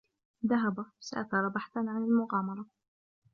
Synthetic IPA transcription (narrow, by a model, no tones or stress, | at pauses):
ðaɦabasa̰ʔak̪ɑɾˤɑbaħt̪anʕanalmʊɣɑːmɑɾˤɑ